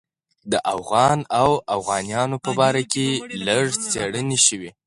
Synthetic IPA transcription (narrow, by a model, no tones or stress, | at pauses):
d̪əʔafɣɑnawafɣɑnjɑnopəbɑɾakeləɽt͡seɽəneʃəwi